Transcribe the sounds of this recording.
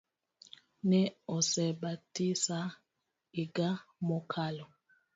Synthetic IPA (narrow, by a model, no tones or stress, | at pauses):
nɛɔsɛbatisa | iɡamɔkʰalɔ